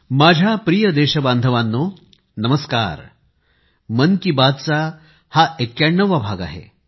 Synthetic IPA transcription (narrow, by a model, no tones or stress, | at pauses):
mad͡ʑʱjapɾijəd̪eɕəband̪ʱəʋanːo | nəməska̰ɾ | mənkibad̪̚t͡sa | haʔekjaɳːəʋabʱaɡa̰ɦḛ